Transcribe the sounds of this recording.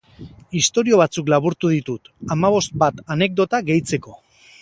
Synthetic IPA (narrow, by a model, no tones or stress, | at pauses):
ist̪o̞ɾio̞β̞at͡suklaβuɾt̪uðit̪ut̪amaβ̞o̞st̪̚bat̪ane̞k̚d̪o̞t̪aɡe̞jt͡se̞ko̞